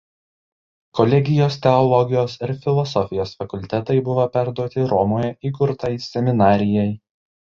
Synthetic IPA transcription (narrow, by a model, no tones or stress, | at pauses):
kɔlʲɛɡʲɪjoːst̪ʲɛɔlˠɔɡʲɪjoːsɪɾfʲɪlˠɔsɔfʲɪjoːsfɐkʊlʲt̪ʲɛt̪ɐɪbʊʋopʲæɾd̪uɔt̪ʲɪɾɔmoːjɛʔiːkʊɾt̪ɐɪsʲɛmʲɪnɑːɾʲɪjɛɪ